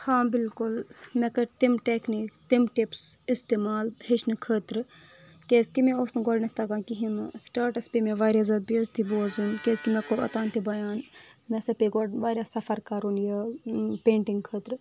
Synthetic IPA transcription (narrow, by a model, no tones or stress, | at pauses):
hãːbɪlkʊlmɛkɐʈt̪imʈeːkniːkt̪imʈipsist̪eːmaːlhit͡ʃʰnɨkʰət̪ɾɨ | kʲeːskimẽosnɨɡoɽnɐt̪ɐɡãːkiɦinɨsʈaːɾʈɐspemeʋaːɾʲjaːzɐd̪̚biɐzt̪ʰiboːzunkeskimɛ̃koɾɐ̰t̪aːnt̪ibɐjaːnmɛsɐpeɡoɽʋaːɾʲjasɐfɐɾkaːɾunjɐpeːɳʈiŋɡkʰəːt̪ɾɨ